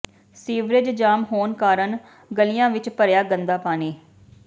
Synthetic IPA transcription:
siːʋɾɪd͡ʒd͡ʒaːmɦoːnkaːɾən | ɡəlijãːʋɪt͡ʃpəɾjaːɡənd̪aːpaːneː

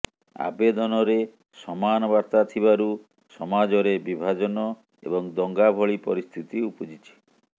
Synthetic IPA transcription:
a̰bed̪ɔnɔɾe | sɔmanɔbaɾt̪at̪ʰibaɾu | sɔmad͡ʒɔɾebibʱad͡ʒɔnɔ | ḛbɔŋd̪ɔŋɡabʱɔɭipɔɾist̪ʰit̪iupɔd͡ʒit͡ʃʰi̥

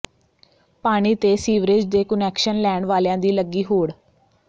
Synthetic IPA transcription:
paːɽ̃iːt̪eːsiːʋɾed͡ʒd̪eːkʊnɛːkʃənlɛːɳʋaːljãːd̪iːləɡːiːɦoːɽ

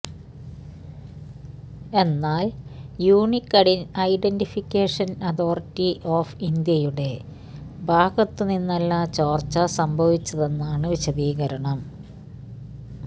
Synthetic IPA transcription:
e̞nːaːljuːɳikːɐɽinɐjɖenɖifikʲːeːʂɐnɐd̪o̞ːrtːiʔoːfind̪jɐjuɽe̞ | bʱaːɡɐt̪ːɨninːɐlːɐt͡ɕoːrt͡ɕːɐsɐmbʱɐʋit͡ɕːɐðe̞nːaːɳɨʋiɕɐðiːɣɐɾɐɳɐm

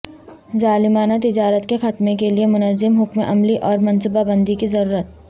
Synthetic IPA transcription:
zaːlɪmaːnat̪ɪd͡ʒaːɾət̪kexɐt̪mẽkeliemʊnəzɪmɦʊkmeʔɐmliʔɔːɾmɐ̃nsubabɐ̃nd̪ikizɐɾuːɾət̪̚

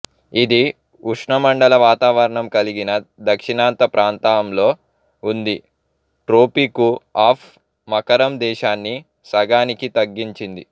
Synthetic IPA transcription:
id̪i | uʂɳɐmɐɳɖɐlɐʋaːt̪aːʋɐɾɐɳɐmkɐliɡinɐd̪ɐkʂinaːnt̪ɐpɾʔaːnt̪aːɐmlo̞ː | und̪i | ʈɾoːpikuaːpʰ | mɐkɐɾɐmd̪ɛːʃaːnːi | sɐɡaːnikit̪ɐɡːiɲt͡ʃind̪i

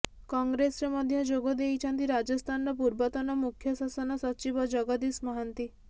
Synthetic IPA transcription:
kɔŋɡɾesɾemɔd̪ʱjɔd͡ʒoɡɔd̪ejt͡ʃʰɔnt̪iɾad͡ʒɔst̪ʰanɔɾɔp̬uɾbɔt̪ɔnɔmukʰjɔsasɔnɔsɔt͡ʃibɔd͡ʒɔɡɔd̪ismɔɦant̪i

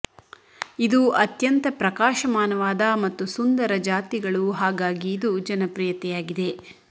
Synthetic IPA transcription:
id̪uɐt̪jɐnt̪ɐpɾɐkaːʃɐmaːnɐʋaːd̪ɐmɐt̪ːusund̪ɐɾɐd͡ʒaːt̪iɡɐɭuɦaːɡaːɡiːd̪ud͡ʒɐnɐpɾijɐt̪ɛjaːɡid̪e̞

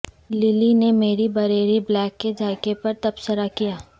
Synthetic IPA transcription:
lɪlinemeːɾibɐɾeːɾiblɛːkːed͡ʒʱaːɪkepɐɾt̪ɐbsəɾakijaː

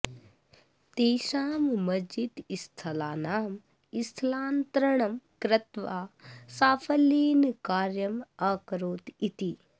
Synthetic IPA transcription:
t̪eːʃaːmmɐd͡ʒid̪ist̪ʰɐlaːnaːm | ist̪ʰlaːnt̪ɾɐɳ̃ɐmkɾɐt̪ʋaːsaːfʰɐliːnkaːɾjɐmakɾoːt̪it̪i

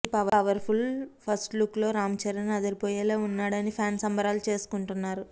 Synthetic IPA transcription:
pɐʋɐʋɐɾpʰulpʰɐsʈluklo̞ːɾaːmt͡ʃɐɾɐnɐd̪ɐɾipoːjeːlaːunːaːɽɐnipʰaːnsɐmbɐɾaːlut͡ʃe̞ːsu̥kuɳʈunːaːɾu

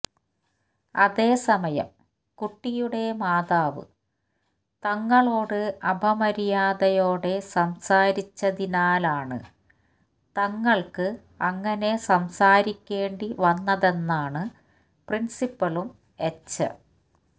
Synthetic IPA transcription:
ɐðe̞ːsɐmɐjɐ̰m | kuʈːijuɽe̞maːðaːʋɨ̰ | t̪ɐŋːɐɭo̞ːɽɨɐbʱɐmɐɾijaːðɐjo̞ːɽe̞sɐmsaːɾit͡ɕːɐðinaːlaːɳɨ̰ | t̪ɐŋːɐɭkɨ | ɐŋːɐne̞sɐmsaːɾikʲːe̞ːɳɖiʋɐnːɐðe̞nːaːɳɨ | prinsipːɐɭum | et͡ɕːɐ̰

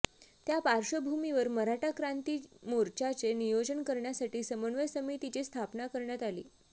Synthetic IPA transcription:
t̪japaɾʂəbʱumiʋəɾməɾaʈakɾant̪iːmoɾt͡ɕat͡senijod͡ʑənkəɾɳjasaʈiːsəməɳʋəjsəmit̪it͡ɕest̪ʰapnakəɾɳjat̪alḭː

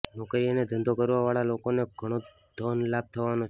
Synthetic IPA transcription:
nokɾiəned̪ə̃nd̪okəɾʋaʋaɭalokoneɡʱəɽ̃o | d̪ʱɔnlab̚t̪ʰəʋano

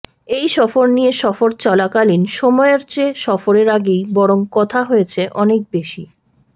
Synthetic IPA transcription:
ejʃɔfoɾnijeʃɔfoɾt͡ɕɔlakalinʃɔmɔeeɾt͡ɕeʃɔfoɾeɾaɡejbɔɾoŋkɔt̪ʰaɦojet͡ɕʰeʔɔnek̚beʃi

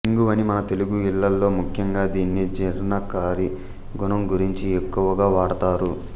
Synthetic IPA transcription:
iŋɡuʋɐnimɐnɐt̪e̞luɡuilːɐlːo̞ːmukʰjɐŋɡaːd̪iːnːid͡ʒiɾnɐkaːɾi | ɡunɐmɡuɾiɲt͡ʃiekːuʋɐɡaːʋaːɽɐt̪aːɾu

